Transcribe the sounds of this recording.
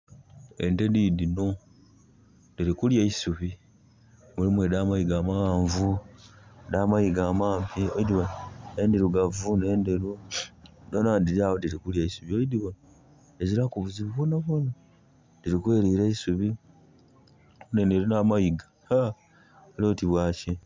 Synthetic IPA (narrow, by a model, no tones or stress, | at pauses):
ḛndedidino | diɾikuljaisuβi | mulimwedaːmaiɡaːmaɣaːɱvu | daːmaiɡaːmaːmpiojidiβanendeɾuɡavuneːndeɾu | donandiɾiawodiɾikuljeisuβiojidiβan | eziɾakuβuziβuβonaβona | d̥iɾikweːɾiːɾeisuβi | oneneɾunamajiɡa | a | lotiβwaːci